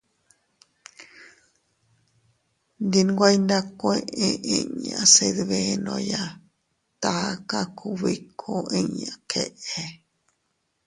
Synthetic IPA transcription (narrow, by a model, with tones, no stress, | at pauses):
nd̪i˧nɡʷa˦ind̪a˦koe˧ʔẽ˧ʔẽ˧ɲã˨se˧ðβenõ̰˧ja˧ | t̪aka˦kʰuβi˧kʰo˦ʔẽ˧ɲã˨kʰe˦ʔe˧